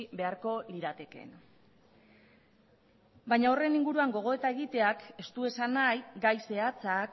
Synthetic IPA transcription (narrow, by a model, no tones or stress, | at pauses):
βe̞aɾko̞liɾat̪e̞ke̞̰n | bajɲaore̞niŋɡuɾuaŋɡo̞ɣ̞o̞e̞t̪ae̞ɣit̪e̞ake̞st̪ue̞sanajɡajse̞at͡sak